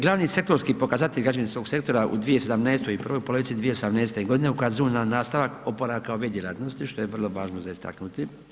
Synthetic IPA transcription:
ɡlˠaːʋniːse̞k̚t̪o̞ɾskipo̞kazat̪eʎʲɡad͡ʒinsʋo̞ːɡse̞kt̪o̞ɾaʔṵd̪ʋijese̞d̪amnɛːst̪ojipr̩ʋojupoloʋit̪sid̪ʋijeosamneːst̪eɡo̞d̪ine̞ukaziunanaːst̪aʋako̞poɾakaoʋed̪jelat̪no̞st̪iʃt̪o̞jeʋrlˠo̞ʋaːʒnozaist̪a̰knut̪i

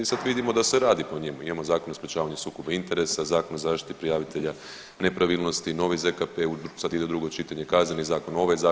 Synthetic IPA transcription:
isad̪ʋid̪imo̞d̪aseɾaːd̪ipoɲemuimamo̞zaːkonospɾʲet͡ʃaːʋaɲesuːkobaint̪e̞ɾe̞sazaːkonozaːʃt̪i̥t̪i̥pɾijaːʋit̪e̞ʎa | ne̞pɾaʋilˠno̞st̪ino̞ʋizekapeusad̪id̪e̞ud̪ɾuɡo̞t͡ʃit̪aɲekaznenizaːko̞no̞ʋajzaː

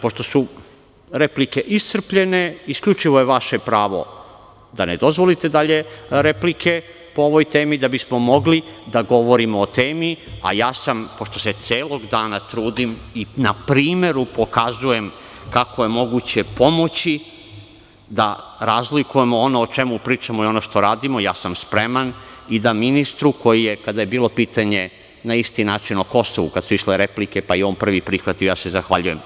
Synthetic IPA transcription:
poʃt̪o̞su | ɾe̞plike̞ʔisr̩pʎe̞ne̞iskʎʲut͡ʃiʋo̞jeʋaʃe̞pɾaːʋo̞̰ | d̪aned̪o̞zʋo̞lit̪e̞d̪aʎe̞ɾe̞plikʰe̞ | po̞oʋo̞jt̪e̞ːmid̪abismo̞mo̞ɡlid̪aɡo̞ʋo̞ɾimoot̪e̞ːmia̰jaːsampo̞ʃt̪o̞set̪sʲjeːlˠo̞ɡd̪aːnat̪ɾuːd̪iminapɾiːme̞ɾupo̞kazuje̞m | kakojemo̞ɡut͡ɕe̞po̞mo̞t͡ɕi | d̪aɾazlikuje̞moonoːt͡ʃe̞mupɾiːt͡ʃamoio̞noʃt̪o̞ɾaːd̪imo̞jaːsamspɾe̞manid̪aminist̪ɾuko̞jije̞kad̪aje̞biːlˠo̞piːt̪aɲe̞ | naist̪inaːt͡ʃinoko̞soʋukad̪suiʃleɾeplike̞paio̞ːnpr̩ʋipɾixʋat̪iojaːse̞zaxʋaʎujem

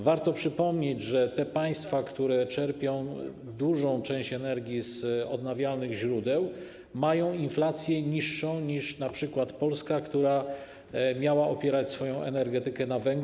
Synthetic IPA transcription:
vaɾt̪ɔpʂɘpɔmɲed͡ʑʐɛt̪ɛpaj̃st̪fakt̪uɾɛt͡ʂɛɾpʲjɔ̃w̃ | d̪uʐɔ̃w̃t͡ʂɛ̃ɕt͡ɕɛnɛɾɡʲjizɔ̰d̪navʲjalnɘɣʑɾud̪ɛw | majɔ̃w̃inflat̪sʲjɛɲiʂːɔ̃w̃ɲiʂnapʂɘkwat̪pɔlskakt̪uɾa | mʲjawaʔɔpʲjɛɾat͡ɕsfɔjɔ̃w̃ʔɛ̰nɛɾɡɛt̪ɘkɛnavɛŋɡ

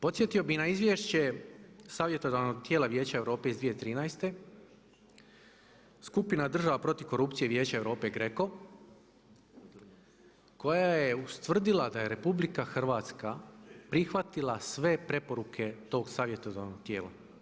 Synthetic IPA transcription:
po̞t̪sje̞t̪io̞binaizʋjeʃt͡ɕe̞saːʋje̞t̪o̞d̪ano̞ɡ̚t̪je̞ːlaʋjeːt͡ɕaeʋɾo̞ːpe̞izd̪ʋije̞t̪ɾiːnajst̪e̞ | skupinad̪r̩ʒaʋapɾo̞t̪iʋko̞ɾupt̪sije̞ʋje̞ːt͡ɕaeʋɾo̞ːpe̞ɡɾeko̞ | ko̞jajeust̪ʋr̩d̪ilad̪aje̞ɾe̞publikaxr̩ʋaːt̪skapɾixʋat̪ilˠasʋe̞pɾe̞po̞ɾukʰe̞t̪o̞ːɡsaːʋje̞t̪od̪anoɡ̚t̪je̞ːla̰

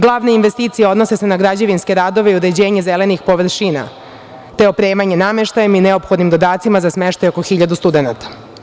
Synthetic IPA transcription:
ɡlˠaːʋneinʋest̪iːt̪sijeo̞d̪nose̞senaɡɾad͡ʑeʋinske̞ɾaːd̪o̞ʋe̞iuɾe̞d͡ʑe̞ːɲezele̞nixpo̞ʋr̩ɾʃiːna̰ | t̪eo̞pɾe̞ːmaɲe̞name̞ʃt̪ajemineopxo̞d̪nimd̪o̞d̪aːt̪simazasmeʃt̪ajo̞koxiʎad̪ust̪ud̪e̞nat̪ḁ

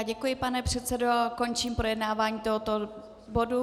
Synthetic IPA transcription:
ɟɛkujɪpanɛpr̝̥ɛt̪t͡sɛdoko̞nt͡ʃiːmpɾo̞jɛdnaːvaːɲiːt̪oɦot̪o | bodu

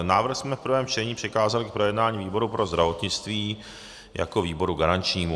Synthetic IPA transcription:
naːvr̩xsmɛfpɾ̩vɛːmt͡ʃɛɲiːprɪkaːzalɪk̚pɾo̞jɛdnaːɲiːviːbo̞ɾupɾo̞zd̪ɾavo̞t̪ɲɪt͡st̪viː | ja̰ko̞viːbo̞ɾuɡaɾant͡ʃɲiːmu

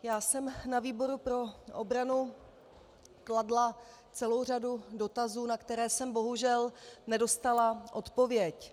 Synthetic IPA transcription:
jaːsɛmnaviːbo̞ɾupɾo̞ʔobɾanu | kladla | t͡sɛlo̞wr̝adudo̞t̪azuːnakt̪ɛɾɛːsɛmbo̞ɦuʒɛlnɛdo̞st̪alaʔo̞t̪povjɛc

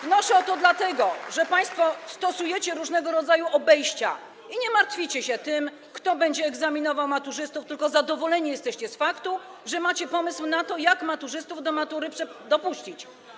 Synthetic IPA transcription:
vnɔʂɛɔt̪ɔd̪lat̪ɛɡɔʐɛpaj̃st̪fɔst̪ɔsujɛt͡ɕɛɾuʐnɛɡɔɾɔd̪zajuʔɔbɛjɕt͡ɕa̰ | iɲɛmaɾt̪fʲit͡ɕɛɕɛt̪ɘm | kt̪ɔbɛɲd͡ʑɛːɡzamʲinɔvawmat̪uʐɘst̪uft̪ɘlkɔzad̪ɔvɔlɛɲijɛst̪ɛɕt͡ɕɛsfakt̪uʐɛmat͡ɕɛpɔmɘswnat̪ɔjakmat̪uʐɘst̪uvd̪ɔmat̪uɾɘpʂɛd̪ɔpuɕt͡ɕit͡ɕ

